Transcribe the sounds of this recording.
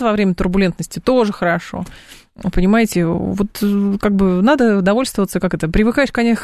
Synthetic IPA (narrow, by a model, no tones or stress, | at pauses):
vɐvɾʲemʲət̪ʊrbʊlʲe̞nt̪nəsʲtʲɪt̪o̞ʐɨxəɾɐʂo̞̰ | pənʲɪmajɪtʲɪvot̪kaɡ̚bɨnad̪əd̪ɐvo̞lʲst̪vəvət̪səkakɛt̪əpɾʲɪvɨkajɪʂkɐnʲex